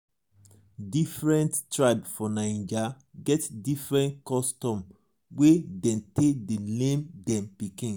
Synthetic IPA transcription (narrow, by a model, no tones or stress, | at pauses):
difɹɛ̃nttɹaɪbfɔnãɪ̃nd͡ʒa | ɡɛtdifɹɛ̃ntkɔstɔ̃m | wedɛ̃ntʰedelẽmdɛ̃mpikĩn